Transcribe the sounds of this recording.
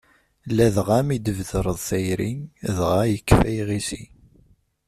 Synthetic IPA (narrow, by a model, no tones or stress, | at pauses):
læðʁæmid̪əvðəɾˤəðˤθæjɾinðʁajəkːfæjʁisi